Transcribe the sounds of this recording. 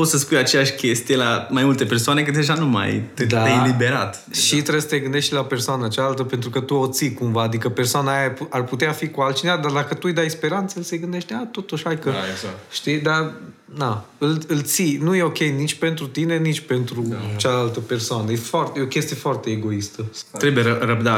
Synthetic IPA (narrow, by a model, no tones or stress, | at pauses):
pot̪səspujat͡ʃejaʃkʲe̞st̪ijelamajmult̪e̞pe̞rsoane̞kɨt̪d̪eʒanuma̰jt̪d̪aejelibe̞ɾa̰t̪ | ʃit̪ɾebsə̥t̪e̞ɡɨnd̪e̞ʃt̪lape̞rsoanət͡ʃalalt̪əpe̞nt̪ɾukət̪uot̪sikumvaːd̪ikəpe̞rsoanaːjapuarput̪eafikualt̪t͡ʃinevad̪ard̪akət̪uɨjd̪ajspe̞ɾant̪səɨlseɡɨnd̪eʃt̪ʲat̪o̞t̪uʃhajkəaʃt̪id̪a | d̪aɨlɨlt̪sinuje̞o̞kʲe̞jnit͡ʃʲpe̞nt̪ɾut̪ine̞nit͡ʃʲpe̞nt̪ɾut͡ʃalalt̪əpe̞rsoanəjefoart̪jeokʲe̞st̪ijefoart̪e̞ːɡo̞ist̪ət̪ɾebujeərəb̚d̪a